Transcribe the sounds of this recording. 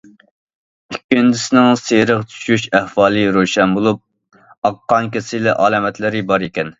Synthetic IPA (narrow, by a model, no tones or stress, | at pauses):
ykʲːynd̪ɪsɪnɪŋseɾəqt͡ʃ̪ʰy̥ʃyʃæhwɑːlˠɨɾoʃɛnbolˠup̚ | ɑqːɑŋkʲesɪlɛʔɑːlˠɑːmɛt̪lɪɾɪbɑɾekʲɛn